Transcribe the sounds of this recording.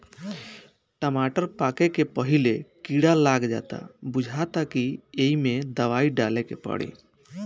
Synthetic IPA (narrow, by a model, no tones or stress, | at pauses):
ʈəmaʈəɾpakekepəɦilekiɽalaɡd͡ʒa̰t̪a̰bud͡ʒʱat̪akieimed̪əʋaiɖalekḛpə̰ɽḛ